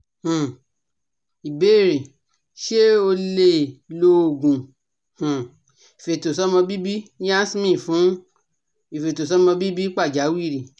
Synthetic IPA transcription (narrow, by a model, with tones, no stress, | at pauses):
hũ˨ | i˨be˨˦i˦˨ɾi˨ | ʃe˦o˧le˧˨lo˧o˨ɡũ˨ | hũ˨ | i˨fe˨to˨sɔ˦mɔ̃˧bi˦bi˦jã˦si˦mĩ˦˨fũ˨˦ | i˨fe˨to˨s̬ɔ˦mɔ̃˧bi˦bi˦k͡pa˦˨d͡ʒa˨˦wi˦˨ɾi˨